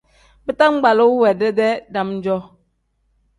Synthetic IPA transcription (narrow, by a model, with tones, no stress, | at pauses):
bi˦ta˦ŋ͡m̩˦ɡ͡ba˨lo˦wɛ˨dɛ˦dɛ˦da˦mn̩˦d͡ʒɔ˦